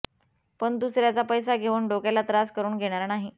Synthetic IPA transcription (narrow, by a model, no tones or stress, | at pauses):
pəɳd̪usɾjat͡sapəjsaɡʱeʋuːɳɖokjalat̪ɾaskəɾuːɳɡʱeɽ̃aɾanaɦi